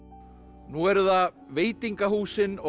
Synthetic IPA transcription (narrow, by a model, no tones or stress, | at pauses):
nuɛɾða | veːjt̪iŋkahuːsɪnɔ